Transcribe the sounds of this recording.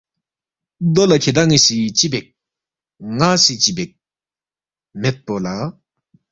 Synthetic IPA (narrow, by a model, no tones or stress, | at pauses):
d̪olakʰed̪aŋiɕit͡ɕipek̚ | ŋasit͡ɕipek̚ | met̪̚pola